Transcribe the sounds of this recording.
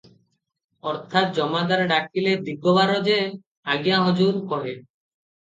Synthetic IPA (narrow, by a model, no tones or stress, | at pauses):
ɔɾt̪ʰat̪̚d͡ʑɔmad̪aɾeɖak̚ːiled̪iɡobaɾɔd͡ʑe | aɡijaɦɔd͡ʑuɾkɔɦe